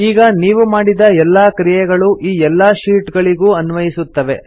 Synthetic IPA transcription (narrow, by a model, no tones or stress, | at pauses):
iːɡɐniːʋumaːɽid̪ɐɛlːaːkɾijɛɡɐɭuʔiːɛlːaːʃiːʈɡɐɭiɡuːɐnʋɐjisut̪ːɐʋe̞̰